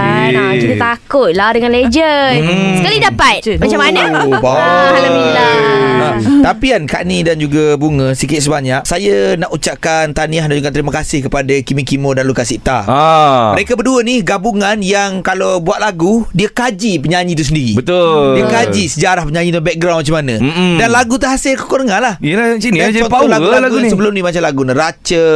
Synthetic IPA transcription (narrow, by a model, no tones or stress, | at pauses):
at̪ut̪akʊt̪̚ladəŋanled͡ʒənsəkalidapat̪̚mat͡ʃamanəbaalailaat̪apianka̰ʔnidand͡ʒuɡabuŋə̃sikɪt̪̚səbaɲak̚sajanaʔut͡ʃaʔkant̪aniaɦdaɲd͡ʒukant̪əɾimakasɪhkəpadakimikimodanlukasit̪a̰ | məɾekabəduəniɡabuŋanjaŋkalowbuat̪̚laɡudiakad͡ʒipəɲaɲĩt̪̬us̬əndiɾibət̪ʊiəkad͡ʒisəd͡ʒaɾahpəɲãɲĩt̪bɛk̚ɡɾawnmat͡ʃamanə̃danlaɡut̪̬əɦasɪlko̥kɔɾəŋãnlahilasinidat͡ʃɔnɔlaɡulalɡuasəbəlʊmnimat͡ʃamlaɡuniɾat͡ʃə